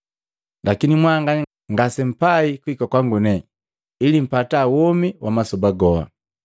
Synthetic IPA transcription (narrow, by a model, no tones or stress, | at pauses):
lʔakinimwaŋɡa | ŋɡasɛm̩paikuikakwaŋɡunɛ | ilim̩pataːwɔmiwʔamasɔbaɡɔha̰